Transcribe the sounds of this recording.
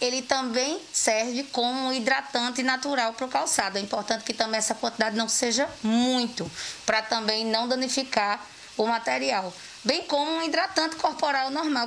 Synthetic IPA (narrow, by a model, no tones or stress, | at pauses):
elɪt̪ɐ̃bẽj̃sɛɾvɪkõmʊũid̪ɾat̪ɐ̃nt̪ɪnat̪uɾawpɾokawsad̪ʊɛĩpɔɾt̪ɐ̃t̪ɪ̥kɪt̪ɐ̃bẽj̃ɛsɐkwɐ̃nt̪id̪ad̪ɪnɐ̃w̃seʒɐmũj̃t̪ʊpɾɐt̪ɐ̃bẽj̃nɐ̃w̃d̪ɐ̃nifikaɾ | ʊmat̪ɛɾiaw | bẽj̃kõmʊũid̪ɾat̪ɐ̃nt̪ɪ̥koɾpoɾawnɔɦmaw